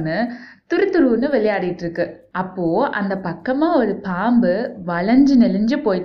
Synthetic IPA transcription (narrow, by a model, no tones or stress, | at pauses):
nːɯt̪ʊɾɯt̪ːɯɾuːnːɯʋɛlɐjaːɽɪjɪʈːɪɾɯkːɯ | ʔɐpːoːʔɐ̰nd̪ɐpɐkːɐmaːɔɾɯpaːmbɯʋɐɭɐɲd͡ʒɯnɛlɯɲd͡ʒɯpoːjʈː